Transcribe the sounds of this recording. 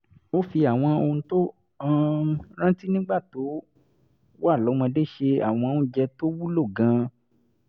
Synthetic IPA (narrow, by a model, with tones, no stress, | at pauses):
o˦fi˧a˨w̃ɔ̃˧o˧ũ˧to˦ | ã˦˧ɾ̃ã˦ti˦nĩ˦ɡ͡ba˦˨to˨˦ | wa˦˨lɔ˨˦mã˧de˦˨ʃe˧a̰˨w̃ɔ̃˧ũ˧˦d͡ʒɛ˧to˦wu˦lo˦˨ɡã˨˧